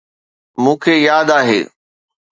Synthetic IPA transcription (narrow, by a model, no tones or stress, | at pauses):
mũːkʰeːjaːd̪aːɦḛː